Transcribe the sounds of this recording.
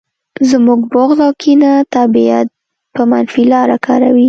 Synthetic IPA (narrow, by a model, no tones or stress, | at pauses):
zmuɡboɣzawkʰinat̪abia̰t̪̚ | pəmanfilɑɾakɑɾa̰wi